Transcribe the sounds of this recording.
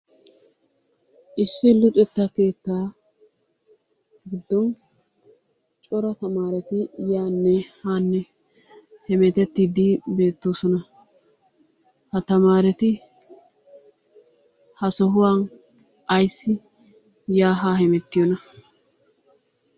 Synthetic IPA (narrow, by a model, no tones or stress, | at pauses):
ʔɪsːɪlʊt̪ʼɛt̪ːɐke̞ːt̪ːaː | ɡɪd̪ːɔn | t͡ʃʼɔɾɐt̪ɐmaːɾɛt̪ɪjaːnːɛhaːnːɛ | hɛmɛt̪ɛt̪ːiːd̪ibe̞ːt̪ːoːsɔnɐ | hɐt̪ɐmaːɾɛt̪ɪ | hɐsɔɦʊwaːn | ɐjsːɪ | jaːɦaːhɛmɛt̪ːɪjɔnɐ